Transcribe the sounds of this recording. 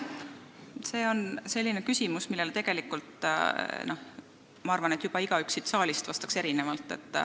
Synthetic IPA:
se̞ːo̞nse̞lʲːinekysʲimusmilːelt̪e̞ɡ̥e̞likːˑult̪ˑno̞ | mɑɑrvɑne̞t̪jub̥ɑiɡ̥ɑyksit̪sɑːlʲist̪vɑst̪ɑ̥kse̞ɾine̞vɑlt̪ːˑe̞̰t̪ːˑ

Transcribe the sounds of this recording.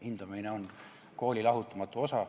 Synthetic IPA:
ind̪̥umineo̞n | ko̞ːlʲilɑɦut̪ːˑɑmɑt̪ːˑuo̞sɑ

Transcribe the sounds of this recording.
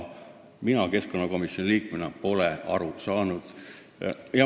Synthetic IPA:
minɑke̞sko̞nːɑko̞misjonʲiliːkmenɑpo̞leɑ̰ɾusɑːnud̪̥ | jɑ

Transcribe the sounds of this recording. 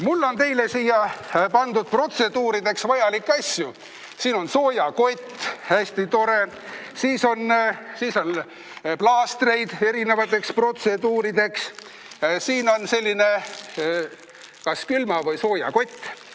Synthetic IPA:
mulːo̞nt̪e̞jlesiːjɑpɑnd̪ud̪̥̚pro̞t̪se̞d̪uːɾid̪̥e̞ksvɑjɑlikːɑsʲju | siːno̞nso̞ːjɑko̞t̪ʲːhæsʲt̪it̪o̞ɾe̞ | siːso̞nsiːso̞n | plɑːst̪re̞jd̪̥e̞ɾine̞vɑt̪ːˑe̞kspro̞t̪se̞d̪uːɾid̪e̞ks | siːno̞nse̞lʲːine̞ | kɑskylmɑvɤjso̞ːjɑ̰ko̞t̪ʲː

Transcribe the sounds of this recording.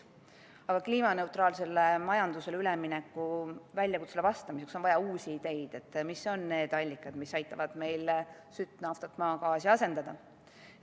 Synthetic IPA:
ɑɡ̥ɑkliːmɑne̞ut̪rɑːlse̞lːemɑjɑnd̪use̞lylɛminekːuvælʲːjɑkut̪selevɑst̪ɑmise̞kso̞nvɑjɑuːsʲiːd̪e̞jd̪̥e̞t̪ːmiso̞nːe̞ːd̪̥ɑlʲːikːˑɑd̪̥misɑjt̪ːˑɑvɑd̪̥me̞jlsyt̪ːnɑft̪ɑt̪ːˑmɑːkɑːsiɑse̞nd̪̥ɑd̪̥ɑ

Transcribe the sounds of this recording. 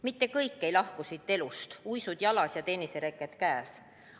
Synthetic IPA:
mit̪ːe̞kɤjkːe̞jlɑhkusit̪ːˑe̞lust̪ujsud̪̥jɑlɑsjɑt̪e̞ːniseɾekːˑet̪kæːs

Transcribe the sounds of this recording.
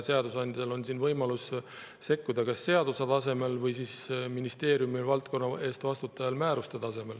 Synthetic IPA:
se̞ɑd̪usɑnʲd̪ʲiselo̞nsinvɤjmɑlus | se̞kːud̪ɑkɑsːe̞ɑd̪̥uset̪ɑs̬e̞me̞lvɤjsisminist̪e̞ːɾjumivɑlt̪̚ko̞nːɑe̞ːst̪vɑst̪ut̪ːˑɑjɑlmæːɾust̪et̪ɑse̞me̞l

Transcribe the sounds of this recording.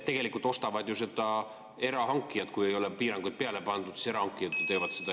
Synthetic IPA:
e̞ɡ̥e̞likːˑult̪o̞st̪ɑvɑd̪juse̞d̪̥ɑ | e̞ɾɑɦɑŋkːˑijɑt̪kuje̞jo̞lepiːɾɑŋɡ̥ujd̪̥̚pe̞ɑle̞pɑnd̪ud̪̥si̥se̞ɾɑhɑŋkːˑijɑt̪net̪e̞jvɑt̪sed̪ɑ

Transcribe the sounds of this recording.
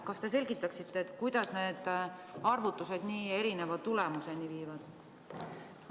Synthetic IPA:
kɑst̪e̞s̬e̞lʲɡ̥it̪ːˑɑksit̪ːeːt̪ˑkujd̪̥ɑsne̞ːd̪̥ɑrvut̪ːˑuse̞d̪̥niːe̞ɾine̞vɑt̪ulemuse̞niviːvɑd̪̥

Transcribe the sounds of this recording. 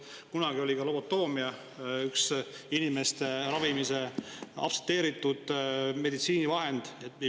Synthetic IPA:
kunɑɡ̥io̞lʲikɑlo̞bo̞t̪ːo̞ːmiɑ | yksinime̞st̪e̞ɾɑvimise̞ɑ̰pset̪ːe̞ːɾit̪ːˑud̪̥me̞d̪it̪siːnivɑɦe̞nd̪̥e

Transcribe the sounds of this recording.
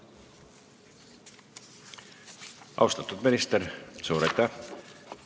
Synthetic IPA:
ɑ̰wst̪ɑt̪ːud̪minist̪eɾsuːɾet̪ːɑ

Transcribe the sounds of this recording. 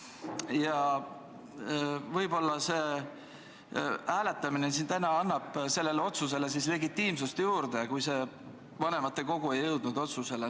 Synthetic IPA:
jɑ | vɤjbo̞lːɑseː | æːle̞t̪ːˑɑminens̬int̪ænɑɑnːɑb̥se̞lːe̞leo̞t̪sus̬e̞le̞sisle̞ɡit̪ːiːmsust̪juːrd̪̥ejɑkujse̞ | vɑne̞mɑt̪ːe̞ko̞ɡ̥ue̞jːɤwd̪̥nud̪̥o̞t̪suse̞le

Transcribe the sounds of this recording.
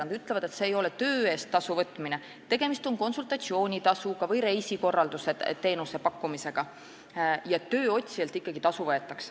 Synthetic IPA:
ɑnd̪yt̪ːˑle̞vɑd̪e̞t̪seːjo̞le̞t̪ø̞ːe̞ːst̪ːɑsuvɤt̪ːˑmine | t̪e̞ɡ̥e̞mist̪o̞nko̞nsult̪ˑɑt̪sio̞ːnʲit̪ɑsuɡ̥ɑvɤjɾe̞jsiko̞rːɑld̪̥use̞t̪e̞ːnuse̞pɑkːˑumise̞ɡ̥ɑ | jɑet̪ːøːo̞t̪ʲsielt̪ikːɑɡ̥it̪ɑsuvɤet̪ːˑɑks

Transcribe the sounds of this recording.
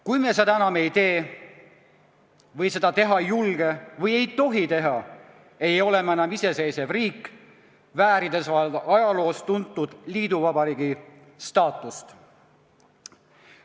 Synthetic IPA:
kujmes̬ed̪ɑenɑme̞jt̪e̞ː | vɤjse̞d̪̥ɑt̪e̞ɦɑjulɡ̥e̞vɤje̞jt̪o̞ɦit̪e̞ɦɑ | ejo̞le̞menɑmise̞se̞jse̞vriːkː | væːɾid̪e̞sɑlɑjɑlo̞ːst̪unt̪ːud̪̥liːd̪uvɑbɑɾiːɡi | st̪ɑːt̪ːˑust̪

